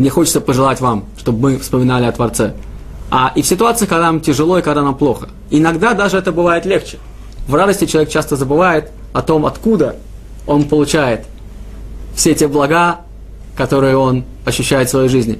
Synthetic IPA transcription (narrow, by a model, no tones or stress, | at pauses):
nʲɪxo̞t͡ɕɪt̪səpəʐɨlˠatʲvamʂt̪o̞bmɨfspəmʲɪnalʲɪɐt̪vɐrt̪sɛ | aʔɪfsʲɪt̪ʊat̪sɨɪkɐɡd̪anamtʲɪʐɨlˠo̞ɪkɐɡd̪anamplˠo̞xə̥ | ɪnɐɡd̪ad̪aʐɨɛt̪əbɨvajɪt̪lʲext͡ɕɪ̥ | vrad̪əsʲtʲɪt͡ɕɪlɐvʲek̚t͡ɕast̪əzəbɨvajɪt̪ | ɐt̪o̞mɐt̪kud̪ə | o̞npəlˠʊt͡ɕæjɪt̪ | fsʲetʲeblˠɐɡa | kɐt̪o̞ɾɨjəo̞n | ɐɕːʉɕːæjɪt̪svɐjejʐɨzʲnʲɪ